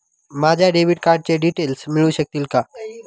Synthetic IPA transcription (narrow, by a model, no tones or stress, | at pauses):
mad͡ʑʱjaɖeʋiɖkaɾɖ̚t͡ɕeɖiʈeːlsmɪɭũɕək̚t̪ilka